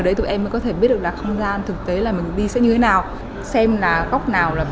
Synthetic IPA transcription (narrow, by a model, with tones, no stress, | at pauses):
ə˨˩ɗə˧jt̪u˨˩ʔɛ˧mːə˨˦˥kɔ˨˦t̪ʰe˧˩ɓi˦˥t̚ɗlaː˨˩xə˧wŋ͡mzaː˧nt̪ʰɨ˨˩k̚t̪e˨˦laː˨˩mï˨˩ŋ̟ɗi˧sɛ̰˧˥ɲɨ˧t̪ʰe˨˦naː˨˩w | sɛ˧mlaː˨˩ɣa˦˥wk͡p̚naː˨˩wlaː˨˩